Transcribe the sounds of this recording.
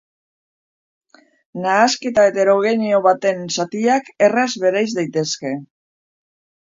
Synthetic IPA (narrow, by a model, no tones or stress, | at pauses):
naːske̞t̪ae̞t̪e̞ɾo̞ɣe̞nio̞βat̪e̞nsat̪iakerazβe̞ɾajzd̪ajt̪e̞ske̞